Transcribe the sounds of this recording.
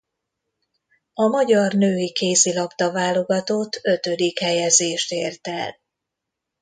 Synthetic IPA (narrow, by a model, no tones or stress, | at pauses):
ɒmɒɟɒrnøːikeːsilɒpt̪ɒvaːlo̞ɡɒt̪oːt̪ʰːø̞t̪ø̞d̪ikhɛjɛzeːʃt̪eːrt̪ɛl